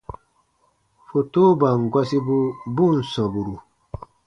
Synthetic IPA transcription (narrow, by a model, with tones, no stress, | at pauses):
fo˨toː˦ba˨ŋɡwa˦si˦bu˦bu˦nsɔ̃˨bu˨ɾu˨